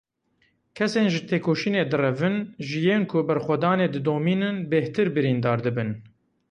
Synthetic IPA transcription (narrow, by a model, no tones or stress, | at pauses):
kʰɛseːnʒɨt̪ʰeːkʰoːʃiːneːd̪ɨrɛvɨnʒɨjeːnkʰʊbɛɾxʷɛd̪ɑːneːd̪ɨd̪oːmiːnɨnbeht̪ɨɾbɨɾiːnd̪ɑːɾd̪ɨbɨn